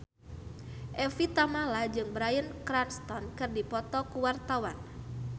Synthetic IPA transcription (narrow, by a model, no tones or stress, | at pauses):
ʔɛfit̪amalad͡ʒɨŋbəɾajənkɾanst̪ɔnkɨrdipɔt̪ɔkuwart̪awan